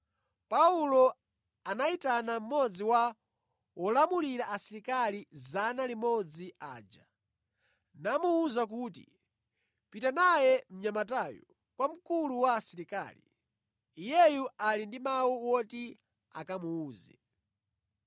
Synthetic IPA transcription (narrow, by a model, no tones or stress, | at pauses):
paulɔ | anaitanam̩mɔd͡ziwa | wɔlamuliɾaʔasiɾikalizanalimɔd͡ziʔaːd͡ʒa | namuːzak̬uːtḭ | pitanajɛm̩ɲamatajɔ̰ | kwam̩kuluwaːsiɾika̰ːlḭː | jɛjualindimawuwɔti | a̰kamuːzɛ̰